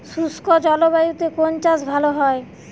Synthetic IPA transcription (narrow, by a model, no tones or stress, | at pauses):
ʃuskod͡ʑɔlobajut̪ekont͡ɕasbʱaloɦɔe